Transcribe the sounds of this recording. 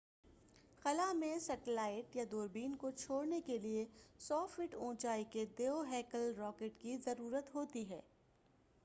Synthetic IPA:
xɐlamẽsɐʈlaːɪʈjad̪oːɾbiːnkot͡ʃʰoːɽnekeliesɔːfʋɪʈõːt͡ʃaːiked̪eːoɦɛːkəlɾɔːkeːʈkizɐɾuːɾət̪ɦoːt̪iɦɛ̰ː

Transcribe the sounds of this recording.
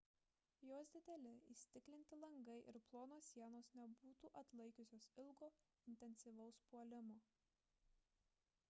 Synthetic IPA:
joːsd̪ʲɪd̪ʲɛlʲɪḭsʲt̪ʲɪklʲɪnʲt̪ʲɪlˠɐŋɡɐɪʔɪɾplˠoːnoːsʲiɛnoːsnʲɛbuːt̪uːʔɐt̪lˠɐɪkʲʊsʲoːsɪlˠɡoː | ɪnʲt̪ʲɛnʲsʲiʋɐʊspuɔlʲɪmoː

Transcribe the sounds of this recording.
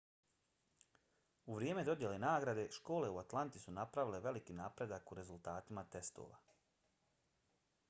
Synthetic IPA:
uʋɾjeːme̞d̪o̞d̪je̞le̞naːɡɾad̪e̞ʃko̞ːle̞uat̪lˠant̪isunapɾaʋile̞ʋelikiːnaːpɾe̞d̪akuɾe̞zulˠt̪aːt̪imat̪e̞st̪o̰ːʋa̰

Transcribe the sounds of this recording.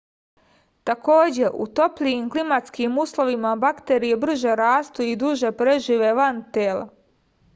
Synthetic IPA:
t̪ako̞ːd͡ʑe̞ʔṵt̪o̞plʎiimklimat̪skiːmuːslo̞ʋimabakt̪eːɾijebr̩ʒeɾaːst̪uid̪uʒepɾe̞ʒiʋe̞ʋant̪eːla̰

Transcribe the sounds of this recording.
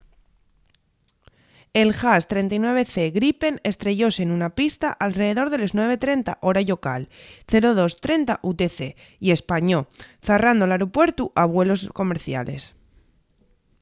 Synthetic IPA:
e̞lxast̪ɾe̞nt̪ajnwe̞β̞e̞θe̞ɣɾipe̞ne̞st̪ɾe̞ʝo̞senunapist̪aʔalre̞ðe̞ðo̞ɾðe̞loznwe̞β̞e̞t̪ɾe̞nt̪a̰ʔo̞ɾaʎo̞kalθe̞ɾo̞ð̞o̞st̪ɾe̞nt̪aʔut̪e̞θe̞ | ie̞spaɲo̞θerand̪olaɾopwe̞ɾt̪uʔaβwe̞lo̞sko̞meɾθja̰le̞̰s

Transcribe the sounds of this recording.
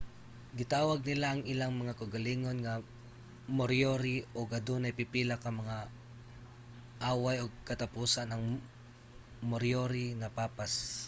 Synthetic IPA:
ɡɪt̪aːwɐɡ̚nɪlaʔːŋɪlaŋmɐŋakɐʊɡɐliːŋo̞nŋɐ | moɾjoɾiʔoɡɐd̪onɐjpipiːlakɐmɐŋa | ʔaːwajoɡ̚kɐt̪ɐpuːsanːɐŋ | moɾjoɾiŋɐpaːpas

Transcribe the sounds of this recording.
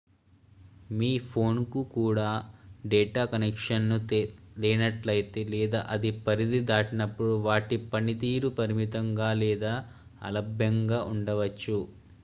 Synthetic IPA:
miːpʰo̞ːnkukuːɽaːɖɛːʈaːkɐnɛkʂɐnnulɛːnɐʈlɐjit̪elɛːd̪a̰ːʔɐd̪ipɐɾid̪id̪aːʈinɐpːuɽuʋaːʈipɐnit̪iːɾupɐɾimit̪ɐŋɡaːlɛːd̪aː | ɐ̰lɐbʱjɐŋɡaːʔuɳɖɐʋɐt͡ʃːu

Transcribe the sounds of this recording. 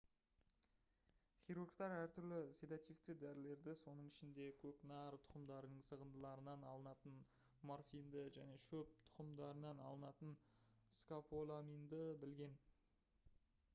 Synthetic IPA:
χʲijɾurɡt̪ɑɾæɾt̪ʰʏɾlɪsed̪at̪ift̪ɪd̪æɾɪle̞ɾd̪ɪso̞nəɴɪʃɪnd̪e̞kʲʰɵknɑɾt̪ʰʊ̥qəmd̪ɑɾənəɴsəʁənd̪əlˠɑɾənɑnɑlˠənɑt̪ən | morfind̪əʒæne̞ʃɵp̚t̪ʰʊ̥qəmd̪ɑɾənɑnɑ̰lˠənɑt̪ənskapʰolˠamind̪əbɪlɡʲe̞n

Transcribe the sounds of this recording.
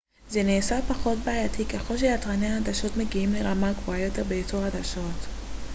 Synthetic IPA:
zeniːsapaχo̞t̚beʕajatʰikeχo̞lʃ̬ejatʁaneahad̪aʃo̞tmeɡiimleʁamakvoajot̪eʁbeet͡soad̪aʃo̞t

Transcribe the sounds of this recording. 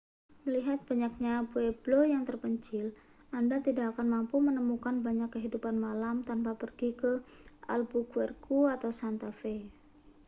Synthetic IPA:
məliɦat̪̚b̥aɲak̚ɲapuɛblojaŋt̪ərpəɲt͡ʃɪl | andat̪idakakanmampumənəmukanbaɲakːəɦidupanmalamt̪anpapərɡikəa̰lbukuɛrkuat̪awsant̪afe

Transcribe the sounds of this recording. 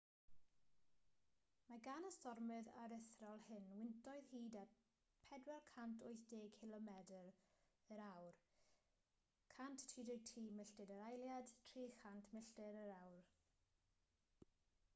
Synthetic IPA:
maɡanəstɔrmɨða̰ɾəθrɔlˠhɪnwɪntʰɔɨðhiːda | pʰɛdwɛlˠkʰantʰʊjθd̥eːkʰɪlˠɔmɛdəɾ | əɾawr | kʰantʰtʰːiːdɪtʰriːmɪɬtɨdəɾajlˠjad̥tʰriːxantʰmɪɬtɛɾəɾawr

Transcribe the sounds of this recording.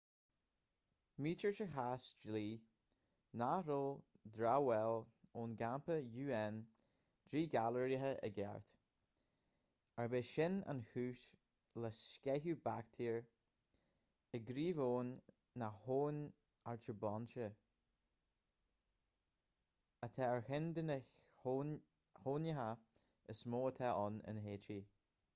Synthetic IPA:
miːt͡ʃəɹt͡ʃəɦasd͡ʒliː | naɾʊl | d̪ɾawɛloːnɡampəjuːɛn | d̪̥ɾiːɡaləɹiɦəʔə̰ɡɛ̰ɹt̪ | aɹbɪʃɪna̰nhʉːʃ | lɛskɛɦuːbakt̪ʰiːɹ | əɡɾiːvoːnː | ahoːn | aɹt͡ʃəbɔnʃə | ət̪ʰɛəɹhɪnd̪ənə | hoːnjəɦa | əsmoːət̪ʰɛʔɔnə̰nɦeːtʰɾiː

